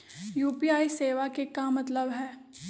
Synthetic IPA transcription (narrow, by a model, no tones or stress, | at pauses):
juːpiaːiseːʋakekamɐt̪ləbɦɛː